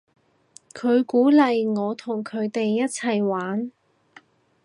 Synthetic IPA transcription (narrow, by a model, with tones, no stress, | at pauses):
kʰɵ˨˧ɥkuː˨˥lɐ˨jŋɔː˨˧t̪ʰʊ˨˩ŋkʰɵ˨˧ɥt̪e˨jːɐ˥t̚t͡sʰɐ˨˩jwaː˨˥n